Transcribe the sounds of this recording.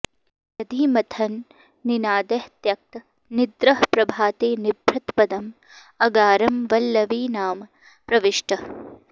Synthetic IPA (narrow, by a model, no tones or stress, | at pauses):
nɐd̪ʱiːmɐt̪ʰɐnː | inaːd̪ɐht̪jɐk̚t̪ɐ | nid̪ɾɐɦpɾɐbʱaːt̪eːnibʱɾɐt̪pɐd̪ɐm | ɐɡaːɾɐmʋɐlːɐʋiːnaːmɐ | pɾɐʋiʃʈɐ